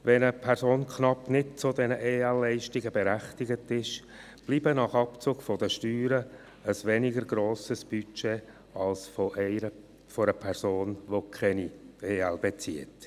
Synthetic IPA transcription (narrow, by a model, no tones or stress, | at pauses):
ʋɛnəpʰɛɾsoːnkʰnɑpnɪd̚t͡sʊdɛnəʔeːɛlːɛɪʃtɪɡəbɛɾæχtɪɡətɪʃ | b̥liːbənɑχɑpt͡sʊːɡfɔd̥əʃtyːɾə | əsʋɛnɪɡəɾɡɾoːsəsb̥yt͡ʃe | ɑlsfoʔɛɪɾə | foɾəpʰɛɾsoːnʋokʰɛnieːɛlbet͡siət